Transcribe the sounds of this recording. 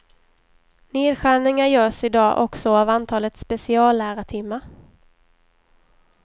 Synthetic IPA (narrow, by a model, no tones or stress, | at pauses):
neːd̪ɧæːɳɪŋajœːʂɪd̪ɑːʔɔksɔaːvant̪ʰɑːlət̪spɛsɪɑːlːæːɾaʈʰɪmːa